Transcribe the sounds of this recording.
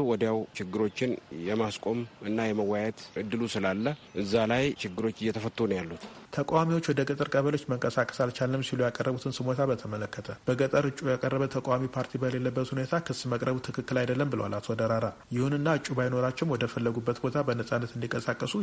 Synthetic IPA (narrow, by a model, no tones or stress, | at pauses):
wɔd̪jawt͡ʃɪɡːɨɾo̞t͡ʃːɪnjɛmaskʼo̞mɨnːajɛməwajɛt̪ʔɨd̪ːɨlusɨlalːəʔɨzːalajt͡ʃɪɡːɨɾo̞t͡ʃːɨjɛt̪ʰəfət̪ʼːonəjalːut̪t̪ʰəkʼawamiwot͡ʃːwɔd̪əɡʼət̪ʼɨɾkʼəβəlo̞t͡ʃːməŋkʼəsakʼə̥salt͡ʃʰalːɨmsilujakʼərːəβut̪ʰɨnsɨmot̪ʰabət̪ʰəmələkːət̪ʰəb̥əɡət̪ʼəɾɨt͡ʃʼujakʼərːəβət̪ʰəkʼawamipʰaɾt̪ʰibəle̞lːəbːət̪hune̞t̪ʰakʰɨsməkʼɾəβut̪ʰɨkʰɨkːɨlajd̪əlːəmbɨləwalat̪ʰod̪əɾaɾa | jɪhunɨnːaɨt͡ʃʼːubajno̞ɾat͡ʃːɛwnwɔd̪əfəlːəɡubːət̪bo̞t̪ʰabənəsʼanːət̪ɨnd̪ikʼəsakʼːəsu